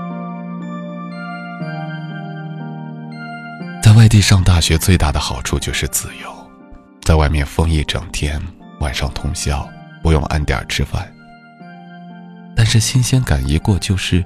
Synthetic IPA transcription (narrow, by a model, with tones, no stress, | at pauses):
t͡sa˥˧ɪwa˥˧ɪt̪i˥˧ʂɑ˥˧ŋt̪a˥˩ɕɥɛ˧˥t͡swe˥˧ɪt̪a˥˩d̪ə˩xɑ˨˩ʊʈ͡ʂʰu˥˧t͡ɕjo˥˧ʊʂɻ̩˥˩t͡sɹ̩˨˩jo˧˥˦ʊ | t͡sa˥˧ɪwa˥˧ɪmjɛ˥˩nfɤ˥ŋi˥˩ʈ͡ʂɤ̰˨˩ŋt̪ʰjɛ˥n | wa˨˩nʂɑ̰˥˩ŋt̪ʰʊ˧˥ŋɕjɑ˥˩ʊpu˧˥jʊ̰˥˧ŋʔa̰˥˩nt̪jɑ̰˞˨˩ʈ͡ʂʰɻ̩˥fa̰˥˩n | t̪a˥˧nʂɻ̩˥˩ɕi˥nɕjɛ˥nka˨˩ni˧˥kwɔ˥˧t͡ɕjo˥˧ʊʂɻ̩˥˩